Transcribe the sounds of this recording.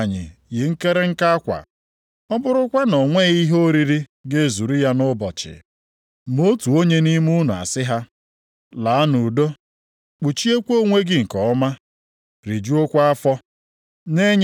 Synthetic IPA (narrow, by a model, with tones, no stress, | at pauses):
ɲɪ̰˨ɣɪ˨ŋ̩˦ke˦ɾe˦ŋ̩˦ka˦a˦kʷa̰˨ | ɔ˦bʊ˦ɾʊ˦kʷa˦nɔ˨ŋʷe˦i˦ɦo˦ɾi˦ɾi˦ɡe˦˨zu˨ɾi˦ja˦nʊ˦bɔ̰˨t͡ʃɪ̰˨ | mo˦tu˨o˦ɲe˦ni˦m˦u˦nʊ˨a̰˨sɪ˦ɦa˦ | la˨a˦nu˨do˦ | k͡pu˨t͡ʃi˦e˦kʷo˦˨ŋʷe˦ɡɪ˦˨ŋ̩˨kɔ˨ɔ˦ma˦ | ɾi˨d͡ʒu˦o˦kʷa˦a˦fɔ˦ | ne˦ɲ